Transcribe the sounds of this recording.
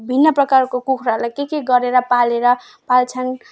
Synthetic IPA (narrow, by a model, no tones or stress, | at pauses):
bʱinːʌprʌkarkokukʰɾalajkekeɡʌɾeɾʌpaleɾʌ | palt͡sʰʌn